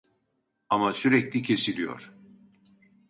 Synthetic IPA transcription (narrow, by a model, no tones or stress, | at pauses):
amasyɾɛclʲicʰe̞silʲijo̞̰ɾ̥